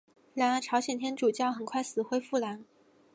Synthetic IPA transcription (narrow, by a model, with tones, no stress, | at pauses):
la˧˥nə˥˩ʈ͡ʂʰɑ˧˥ʊɕjɛ˨˩nt̪ʰjɛ˥nʈ͡ʂu˨˩t͡ɕjɑ˥˩ʊxə˨˩nkʰwa˥˩ɪsɹ̩˨˩xwe˥ɪfu˥˩la˧˥n